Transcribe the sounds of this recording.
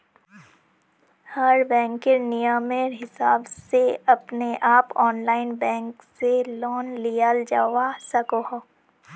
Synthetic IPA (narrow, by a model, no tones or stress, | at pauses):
hɐɾbɛ̃ːŋkɪɾnijəmeɾɦɪsaːbseɐpneʔaːpɔːnlaːɪnbɛ̃ːŋkselɔːnlijaːld͡ʒaːwasɐkoɦo